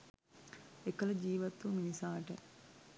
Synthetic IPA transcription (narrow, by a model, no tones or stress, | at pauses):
ekəlɐd͡ʒiːʋɐt̪ːuminisaːʈə